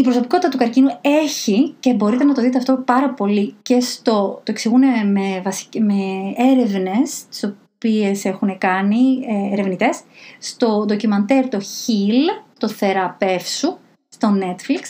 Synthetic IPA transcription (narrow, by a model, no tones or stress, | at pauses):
ipɾo̞so̞pikot̪it̪ɐt̪ukɐɾcinue̞çice̞bo̞ɾit̪e̞nɐt̪o̞ðit̪eɐft̪o̞pɐɾɐpo̞lice̞st̪o̞t̪oeksiɣunemevɐsi̥meeɾe̞vne̞st̪i̥so̞ | pie̞se̞xune̞kɐniːɾe̞vnit̪e̞sːt̪o̞d̪o̞cimɐnt̪e̞ɾt̪o̞çilt̪o̞θe̞ɾɐpe̞fsu | st̪o̞ne̞t̪fliks